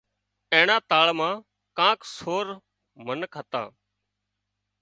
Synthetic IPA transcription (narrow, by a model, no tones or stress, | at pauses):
ẽːɳãːt̪aːɭmãː | kãːksoːɾ | mənkət̪ã̰ː